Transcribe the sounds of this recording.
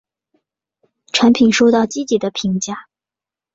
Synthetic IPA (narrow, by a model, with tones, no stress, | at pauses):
ʈ͡ʂʰa˧˥npʰi˨˩nʂo˥ʊt̪ɑ˥˩ʊt͡ɕi˥t͡ɕi˨˩d̪ə˦pʰi˧˥ŋt͡ɕja˥˩